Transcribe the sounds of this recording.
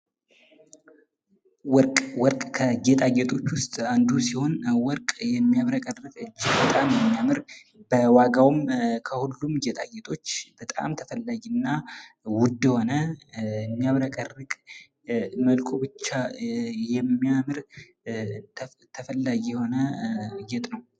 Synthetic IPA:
wɔkʼwɔɾkʼkʰəd͡ʒet̪ʼaɡɛt̪ʰʼo̞t͡ʃːwʊst̪ʼand̪usiho̞nwɔɾkʼjɛmːijaβɾəkʼərːɨkʼɨd͡ʒːɪɡbət̪ʼamjɛmːijamɨɾ | bəwaɡawmkʰəhulːumd͡ʒet̪ʼa̰ɡɛt̪ʰʼo̞t͡ʃːb̥ət̪ʼa̰mt̪ʰəfəlːaɡinːa | wʊd̪ɛho̞nəɨmːijaβɾəkʼərːɨkʼ | məlkʰobɨt͡ʃːajɛmːijamɨɾ | t̪ʰəfəlːaɡijɛho̞nəɡɛt̪ʼnəw

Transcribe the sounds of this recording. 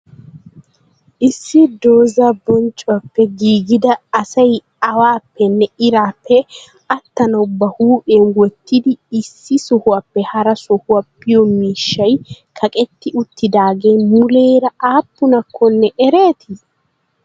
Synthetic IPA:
ʔɪsːɪd̪o̞ːzɐbɔnt͡ʃʼːʊwɐpːɛɡiːɡɪd̪ɐːsɐj | ɐwaːpːɛnːɛɪɾaːpʰːɛ | ɐt̪ːɐnɐʊbːɐhuːʔeːnwɔt̪ʰːɪd̪ɪːsːɪsɔhʊwɐpːɛhɐɾɐsɔhʊwɐpːɪjɔmiːʃːɐjkʰɐkʼɛt̪ːɪʊt̪ːɪd̪aːɡeːmʊleːɾɐʔaːpːʊnɐkʰːɔnːɛʔɛɾeːt̪ɪ

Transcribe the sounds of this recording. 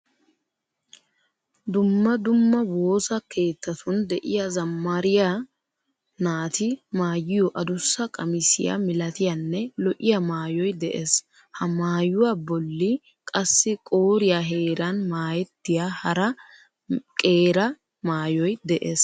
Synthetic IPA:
d̪ʊmːɐd̪ʊmːɐwoːsɐke̞ːt̪ːɐt̪ʰʊnd̪ɛʔɪjazɐmːaɾɪja | naːt̪ɪmaːjɪjɔʔɐd̪ʊsːɐkʼɐmɪsɪja̰mɪlɐt̪ɪjanːɛlɔʔɪjɐmaːjɔjd̪ɛʔeːs | hɐmaːjʊwaːbɔlːɪ | kʼɐsːɪkʼoːɾɪjaːɦe̞ːɾɐnmaːjɛt̪ːɪjahɐɾɐ | kʼe̞ːɾɐ | maːjɔjd̪ɛʔeːs

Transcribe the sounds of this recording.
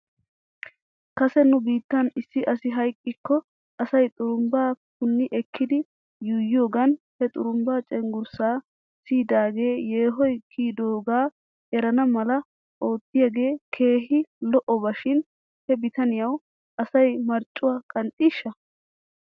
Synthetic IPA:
kɐsɛnʊbiːt̪ːɐnɪsːɪʔɐsɪɦɐjkʼːɪkːɔ | ɐsɐjt̪ʼʊɾʊmbaːpʊnːɪʔɛkʰːɪd̪ɪ | jʊjo̞ːɡɐnhɛt̪ʼʊ̰ɾʊmbaːt͡ʃʼɛŋɡʊɾsaː | siːd̪aːɡe̞ːje̞ːɦɔjkʰiːd̪o̞ːɡaː | ɛɾɐnɐmɐlɐ | ʔo̞ːt̪ːɪjɐɡe̞ːkʰe̞ːɦɪlɔʔɔbɐʃɪn | hɛbɪt̪ɐnɪjɐw | ʔɐsɐjmɐɾt͡ʃʼːʊwaːkʼɐnt̪ʼːiːʃːɐ

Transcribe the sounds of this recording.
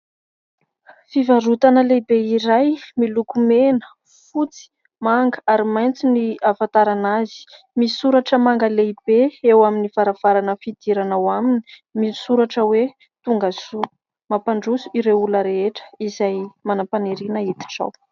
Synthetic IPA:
fivaɾut̪anəlebeiɾajmilukumenə̥ | fut͡si̥ | maŋɡəaɾimajnt͡siniavat̪aɾanazi̥ | misuɾaʈ͡ʂəmaŋɡaleib̥eewaminiv̥aɾav̥aɾanəfid̪̥iɾanawamini̥ | misuɾaʈ͡ʂəwe | t̪uŋɡazu | mapaɳɖ͡ʐusuiɾeuləɾeeʈ͡ʂə̥izajmanapaneɾinait̪i̥ʈ͡ʂa̰w

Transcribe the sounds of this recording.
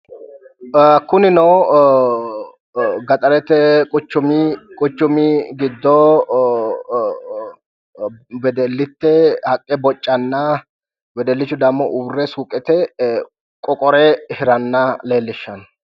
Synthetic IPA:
kʊnɪnɔw | ɡɐt̪ʼɐɾɛt̪ːɛkʼʊt͡ʃːʊmɪkʼʊt͡ʃːʊmɪɡɪd̪ːɔ | bɛd̪ɛlːɪt̪ːɛhɐkʼːɛbɔt͡ʃʼːɐnːɐ | wɛd̪ɛlːɪt͡ʃːʊd̪ɐmːɔʔʊbrːɛsuːkʼɛt̪ɛ | kʼɔkʼɔɾɛhɪɾɐnːɐle̞ːlːɪʃːɐn

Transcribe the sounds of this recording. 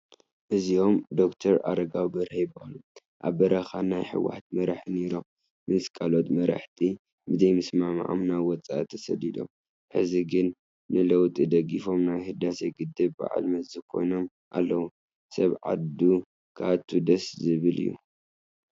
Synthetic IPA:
ʔɨzio̞md̪o̞kt̪ʰɐɾa̰ɾɐɡawbɐɾhejbalu | ʔa̰βbɐɾɐxanajħɨ̰wa̰ħt̪mɐɾaħɨniɾom | mɨskʼalot̪mɐɾa̰ħt̪ʰi | bɨzɐjmɨsmam̰ʕʔo̰mnajwɔt͡sʼa̰ʔt̪ʰːɐ̥sɐ̰lːid̪ʼo̞̰m | ħɨ̰ziɡɨnː | ɨlɐwt̪ʼid̪ɐɡifo̞mnajhɨd̪aseɡɨd̪ːɨbba̰ʕa̰lmɐzɨkʰo̞̰jno̞m | ʔa̰lːɐwu | sɐβʕa̰d̪u | kʰat̪ʰːud̪ɐszɨβɨlḭjːṵ

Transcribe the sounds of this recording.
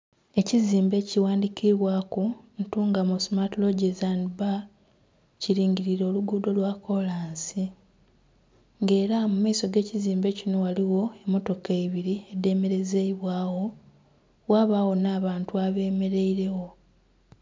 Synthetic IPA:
e̞ciziːmbe̞ːciwaːndikʰiβwaːkuntuːŋɡamosmatlo̞ɟezanba | ciɾiːɲɟiɾiɾo̞ːluɡudo̞lwako̞laːnsi | ŋɡe̞ːɾamumaiso̞ɡe̞ːciziːmbe̞cino̞waliwo̞e̞mːo̞to̞kaiβiɾie̞dːe̞ːme̞ɾe̞zeiβwaːwo̞ | waβawo̞naːβaːntuaβe̞ːme̞ɾeiɾe̞wo̞

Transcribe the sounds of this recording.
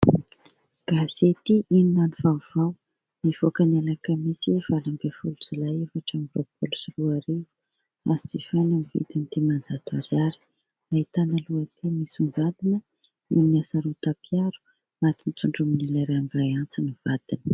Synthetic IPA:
ɡ̥az̥et̪iʔininanivauv̥aw | niv̥okənalakəmisiv̥alambefuluz̥ulaevaʈ͡ʂamropulusruaɾe | azid͡zifanamivḭt̪anit̪emand͡zat̪uaɾjaɾi̥ | ait̪anəluət̪ʰemisuŋɡad̪inə | numiasaɾut̪apʰjaɾu̥ | mat̪init͡suɳɖ͡ʐuminilaɾaaŋɡajant͡siniv̥ad̪̥inə̥

